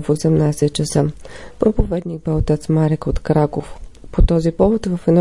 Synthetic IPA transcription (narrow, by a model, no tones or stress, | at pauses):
fosɛmnajsɛt̪̚t͡ʃəsəpɾopovɛd̪niɡ̚bɛot̪ɛt̪smaɾɛkot̪kɾakofpot̪ɔzipɔvot̪vəfɛd̪ɔ